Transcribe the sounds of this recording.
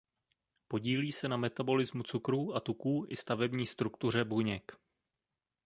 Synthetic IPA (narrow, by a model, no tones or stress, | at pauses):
po̞ɟiːliːsɛnamɛt̪abo̞lɪzmut͡sukɾuːʔat̪ukuːʔɪst̪avɛbɲiːst̪ɾukt̪ur̝ɛbuɲɛk